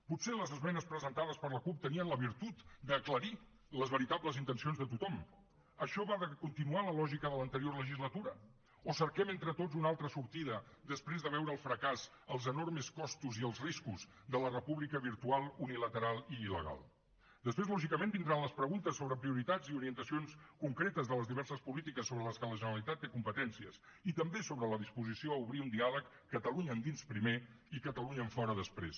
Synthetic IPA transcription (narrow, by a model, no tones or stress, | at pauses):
puseləzəzmɛnəspɾəzənt̪aðəspəɾləkup̚t̪əniənləβ̞iɾt̪ut̪d̪əːkləɾi | ləzβəɾit̪abləzint̪ənsionzðət̪ut̪ɔm | əʃɔβaðəkunt̪inualəlɔʒikəðələnt̪əɾiorləʒizlət̪uɾə | osəɾkɛment̪ɾət̪ozunalˠt̪ɾəsuɾt̪iðəd̪əspɾezðəβ̞ɛwɾəːlˠfɾəkaz | əlˠzənoɾməskɔst̪uziəlˠzriskuz | d̪ələrəpuβlikəβiɾt̪ualˠunilət̪əɾalˠiːlə̰ɣa̰lˠ | d̪əspɾezlɔʒikəmẽnbind̪ɾanləspɾəɣunt̪əsːoβɾəpɾiuɾit̪ad͡ziuɾiənt̪əsionskuŋkɾet̪əzðələzðiβɛɾsəspulit̪ikəsːoβɾələskələʒənəɾəlit̪at̪ːekumpət̪ɛnsiə̰s | it̪əmbesoβɾələðispuzisioəuβɾiund̪ialəkːət̪əluɲəːnd̪inspɾime | ikət̪əluɲəːɱfɔɾəðəspɾḛs